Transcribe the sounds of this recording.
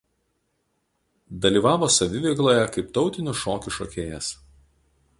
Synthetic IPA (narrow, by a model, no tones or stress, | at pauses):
d̪ɐlʲiːˑʋɑːʋoːsɐʋʲɪʋʲɛɪklˠoːjɛkɐɪpt̪ɒʊt̪ʲɪnʲʊʃoːkʲʊʃoːkʲeːjɛs